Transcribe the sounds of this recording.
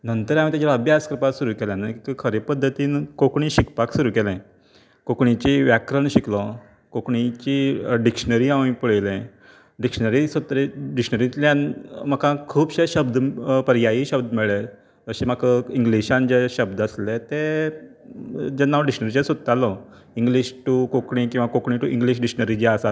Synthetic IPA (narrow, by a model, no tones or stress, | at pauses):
nənt̪əɾamĩːt̪jat͡ɕaəbʱjaskɾəpasuɾuːkɛljãnakikikʰəɾepəd̪ʱːət̪iːnkokɳĩɕikpaksuɾuːkɛlɛ̃ | kokɳit͡ɕiʋjakɾəɳɕiklɔ | kokɳit͡ɕiɖikʂnəɾiaʋĩpuɭjlɛ̃ | ɖikʂənəɾisot̪ɾeɖikʂnəɾit̪lanm̤əkʰãkʰuːbɕeɕəbd̪ʱpəɾjaiɕəbd̪ʱmiɭe | əɕẽm̤akəiŋɡliɕãnd͡ʑeɕəb̚d̪əslet̪e | d͡ʑenːawɖikʂnəɾit͡ɕesud̪̚t̪alɔ | ĩŋɡliɕʈukokɳikĩw̃ʋakokɳiʈuʔĩŋɡliɕɖiknəɾid͡ʑiasat̪